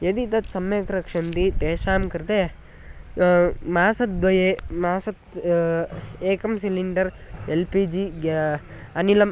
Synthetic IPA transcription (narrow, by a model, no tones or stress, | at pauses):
jed̪it̪ɐt̪sɐmjeːkɾɐkʂɐnt̪it̪eːʃaːmkɐɾt̪e | maːsɐt̪̚d̪ʋɐjeːmaːsɐt̪ | eːkɐmsiliɳɖɐɾelpid͡ʒiɡ | ɐnilɐm